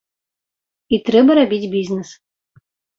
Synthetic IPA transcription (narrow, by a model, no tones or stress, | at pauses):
it̪ɾɛbɐɾabʲitʲbʲiznɨs